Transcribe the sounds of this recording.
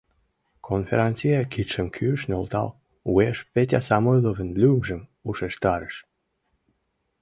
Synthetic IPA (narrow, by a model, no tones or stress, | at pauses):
kʰonfeɾɑnʲt͡sijɑkit̪ʃəmkʰyəʃnolt̪ɑ̰l | ueʃpet̬ʲɑsɑmojlovə̆nlʲymʒə̆muʃeʃt̪ɑɾəʃ